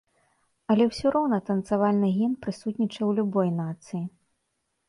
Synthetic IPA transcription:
ɐlʲɛwsʲuɾɔwnɐt̪ɐnt̪savalʲnɨɣʲinpɾɨsut̪ʲnʲit͡ʂɐwlʲubɔjnat̪sɨji

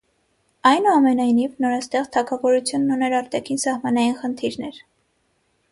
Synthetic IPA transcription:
ɑjnuɑmɛnɑjnivnɔɾɑst̪ɛχt̪ʰɑkʰɑvɔɾut͡sʰjunːunɛɾɑɾt̪ɑkʰinsɑhmɑnɑjinχənt̪ʰiɾnɛɾ

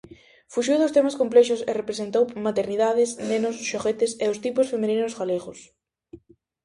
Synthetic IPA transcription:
fuʃiwðʊst̪emaskomplɛʃʊsɪ̰repɾesent̪owmat̪eɾniðaðɪsnenʊsʃoɣet̪ɪseʊst̪ipʊsfemeninʊzɣaleɣʊs

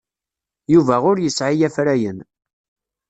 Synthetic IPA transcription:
juvæʁʊɾjəsʕɪjæfɾæjən

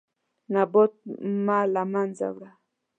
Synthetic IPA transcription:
nabɔt̚malamanza̰bɾa

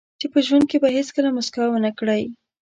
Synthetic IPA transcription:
t͡ʃepəʒwand̪̚kebaɦeskəlamʊskawwənəkɽaj

